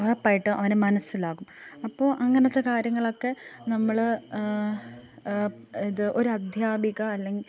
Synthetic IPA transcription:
ɐrɐpːaːjiʈːɨʔɐ̰ʋɐnemɐnɐsːilaːɣum | ɐpːo̞ːʔɐŋːɐnɐt̪ːe̞kaːɾjɐŋːɐɭo̞kːe̞nɐmːɐɭ | iðɨʔo̞ɾuɐd̪ʱjaːbʱiɣɐːlːeŋɡi

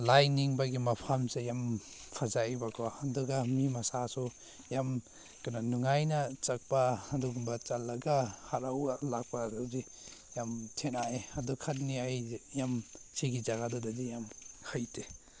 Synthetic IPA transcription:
lajniŋbaɡimɐpʰamsejam | pʰazajbakʰɔɐduɡamimɐsasu | jam | kananuŋajnɐt͡ʃɐk̚paːduɡumbɐt͡ʃalːɐɡahaɾawlak̚padɔdi | jamtʰenaeɐdukʰat̚niajjam | siɡizaɡadudadijamhʰajte

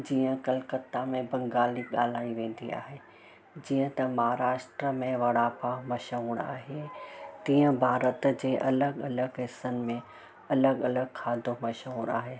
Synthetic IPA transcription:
d͡ʑiːə̃kɐlkət̪amẽbɐ̃ŋɡaːliɠaːl̤aːiʋẽːn̆d̪ia̰ːɦe | d͡ʑiːə̃t̪ɐmɐɦaɾaːʃʈɾəmẽʋɐɽaːpamɐʃəuɽa̰ːɦet̪iːə̃bʱaːɾət̪d͡ʑeːʔɐləɡɐləɡɦɪsənɪ̆mẽ | ɐləɡɐləɡ̚kʰaːd̪ʱomɐʃəuɽaːɦeː

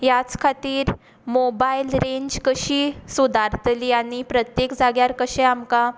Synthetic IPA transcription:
jat͡skʰat̪iːɾ | mobajlɾeɲd͡ʑkəɕiːsud̪ʱaɾt̪liːaɽ̃ipɾət̪jekd͡zaɡjaɾkəɕɛ̃amka

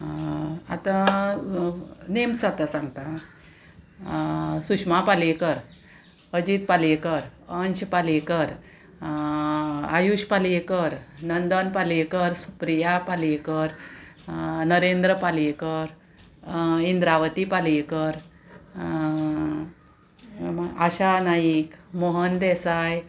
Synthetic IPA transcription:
at̪ã | nemsat̪asãŋɡt̪ã | sukʂmapalekəɾ | əd͡ʑit̪̚palekəɾənɕpalekəɾ | ajuɕpalekəɾnənd̪ənpalekəɾsu̥pɾijapalekəɾ | nəɾẽnd̪ɾəpalekəɾ | ind̪ɾaʋət̪ipalekəɾ | aɕanajikmoɦənd̪ɛsaj

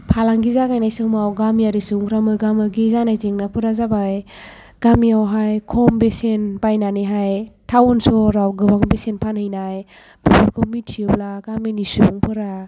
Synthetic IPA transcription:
pʰalaŋɡizakajnajsɯmawɡamjaɾisuŋɾamɯɡamɯɡizanajzeŋnapʰɯɾazabaj | ɡ̥amiawɦajkʰɔmbesenbajnaniɦajtʰawɔnsɔɾawɡɯbaŋbesenpʰanhɯjnaj | b̥ipʰɯɾkʰomitʰːiɯblaɡamenisuŋpʰɯɾa

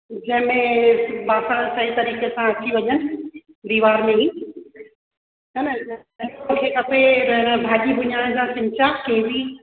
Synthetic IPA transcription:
d͡ʑɐ̃ɦɪ̃mẽbaːsasɐɦĩt̪ɐɾiːkesãɐt͡ɕiʋɐɲənɪ̆ | ɾiːʋaːɾmẽɦĩ | t͡ɕɐñ | ɪkõkʰekɐpeɾɐɦnbʱaːʄibʱʊɲaːɽ̃d͡ʑaːsɪ̃ɲt͡ɕakẽɦɪ̃ʋiː

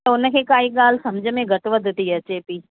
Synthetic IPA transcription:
əʊnəkʰeːkaːiɠaːlsɐmd͡ʒʱəmẽɡʱɐʈʋəd̪ʱt̪iɐt͡ɕeːpiː

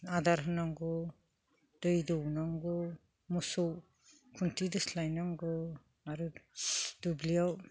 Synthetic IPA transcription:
adaɾɦɯnaŋɡɔ | d̥ɯjdɔwnaŋɡɔ | musɔw | kʰuntʰidɯslajnaŋɡɔ | aɾu | dublijaw

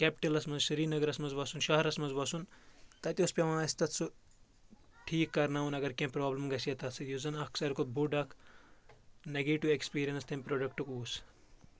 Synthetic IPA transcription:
kʲɛpɪ̥ʈɐlɐsmɐnzʃɐɾiːnɐɡɐɾɐsmɐnzʋɐsunʃɐɦɐɾɐsmɐnzʋɐsunt̪ɐt̪ʲiuspʲeʋãːɐst̪ɐt̪su | ʈʰiːkːɐɾnaːunɐɡɐɾkʲẽmpɾoːblɐmɡɐsiɐt̪ɐsʰɐjuzɐnɐksɐɾkobuɖɐkʰ | neɡeːʈiʋekspiːɾijɐnst̪ʰɐmʲpɾoːɖɐk̚ʈukuːs

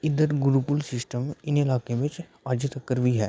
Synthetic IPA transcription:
ɪd̪əɾɡʊɾupʊlsɪsʈəmɪnɪlaːkemẽt͡ʃ | aːd͡ʒət̪əkːəɾʋiɦɛ̰ː

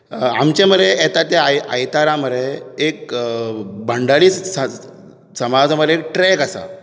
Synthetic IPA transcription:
a̰mt͡ɕẽmədeɛt̪at̪jajə̰jt̪aɾãməɾeek̚ | bəɳɖaɭiːt͡sa | səmad͡zməek̚ʈɾɛkasa̰

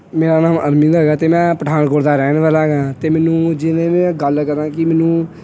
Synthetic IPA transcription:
meːɾaːnaːməɾmɪ̃nd̪ɦɛːɡaːt̪eːmɛ̃ːpəʈʰaːnkoːʈd̪aːɾɛːnʋəːlaːɡaːt̪eːmɛːnũːd͡ʒɪnẽːmɛ̃ːɡəlkəɾãːkɪmɛːnũː

